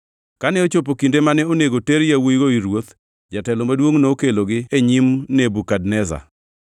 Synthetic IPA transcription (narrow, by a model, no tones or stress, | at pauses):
kanɛot͡ʃop̬okindemanɛoneɡoteɾjawujɡoiɾwot̪ | d͡ʒatɛlɔmadwoŋnokeloɡɪeɲimnebukadnɛza̰